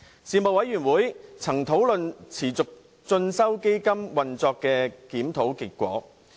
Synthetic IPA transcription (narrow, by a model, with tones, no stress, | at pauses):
siː˨˧mo˨wɐ˨˥jɥyː˨˩nwuː˨˥jt͡sʰɐ˨˩ŋt̪ʰo˨˥wlɵ˨nt͡sʰiː˨˩t͡sʊ˨k̚ | t͡sɵ˧nsɐ˥wke˥jkɐ˥mwɐ˨nt͡sɔː˧kːɛː˧kiː˨˥mt̪ʰo˨˥wkɪ˨kːʷɔ̰ː˨˥